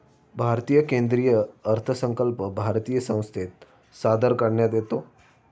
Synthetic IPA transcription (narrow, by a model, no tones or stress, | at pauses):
bʱaɾt̪iːjəkẽnd̪ɾijəːɾt̪ʰəsə̃ŋkəlpbʱaɾt̪iːjəsə̃w̃st̪ʰet̪ | sad̪əɾkəɽɳjad̪et̪o